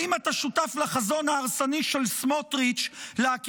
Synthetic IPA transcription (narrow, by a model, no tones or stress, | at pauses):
imat̪aʃutaflaχazo̞nhaːʁsaniʃelsmotʁit͡ʃleak